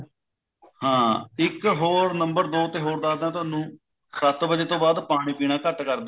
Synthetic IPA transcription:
hãːɪkɦoːɾnəmbəɾd̪oːt̪eːɦoːɾd̪aːd̪ãːt̪ʊaːnũː | sət̪bəd͡ʒeːt̪õːbaːd̪paːɽ̃iːpiːɽ̃ãːkəʈkəɾd̪ː

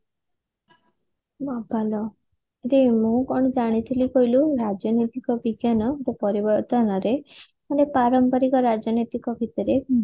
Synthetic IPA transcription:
babʱalɔ | ɾemũkɔɳ̃d͡ʒaɽ̃it̪ʰilikɔiluɾad͡ʒjɔnit̪ikɔbiɡjanɔbopɔɾibɔɾt̪ɔnɔɾe | manepaɾɔmpɔɾikɔɾad͡ʒjɔnɔjt̪ikɔbʱit̪ɔɾe

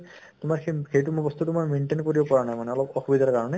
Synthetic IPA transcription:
t̪ʊmaɹxejtumubɔst̪utumanmenʈenkoɹibɔpɔɹanajmanɛɔlɔpɔxubid̪ʱaɹkaɹɔnɛ

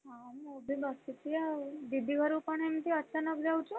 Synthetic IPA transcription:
amobʱibast̪it̪iad̪id̪ʱːiɡʱəɾupəɳemt̪iəsanəkd͡ʒaut͡ʃũ

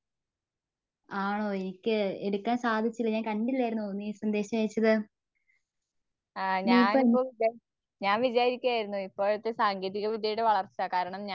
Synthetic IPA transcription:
aːɳo̞ːenikʲːɨeɽukːaːnsaːd̪ʱit͡ɕːilːɐɲaːnkɐɳɖilːaːjiɾunːunːiːsɐnd̪e̞ːɕɐmɐjit͡ɕːɐðɨ | aːɲaiːpːoːipːoːia | ɲaːnʋid͡ʑaːɾikʲːuaːjiɾunːuipːoːɐɻut̪ːesaːŋɡeːðiɣɐʋid̪ʱɐjuɽeʋɐɭɐrt͡ɕːakaːɾɐɳɐmɲa

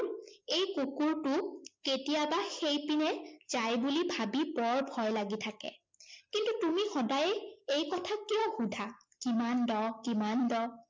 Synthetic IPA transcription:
ejkukuɹtʊketijabaxejpinɛz̥ajbulibʱabibɔɹbʱɔjlaɡitʰakɛ̰ | kintutumixɔdajejkɔtʰakiɔxudʱa | kimandɔkimandɔ

